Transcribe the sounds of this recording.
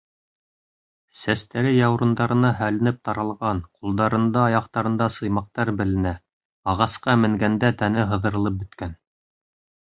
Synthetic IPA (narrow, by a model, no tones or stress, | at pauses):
sæst̪æɾɘjɑwɾɤ̆nd̪ɑɾɤ̆nɑɦælɘ̆nɘp̚t̪ɑɾɑlˠʁɑnqulˠd̪ɑɾɤ̆nd̪ɑɑjɑqt̪ɑɾɤ̆nd̪ɑsɤ̆jmɑq̚t̪ɑɾbɘ̆lɘ̆næ | ɑʁɑsqɑmɘ̆ŋɡænd̪æt̪ænɘɦɤ̆ðɤ̆ɾɤ̆lˠɤp̚bɵ̆t̪kæn